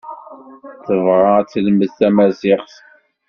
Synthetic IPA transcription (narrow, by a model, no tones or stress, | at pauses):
θəvʁˤɑt͡sːləməðθæmæsɪqθ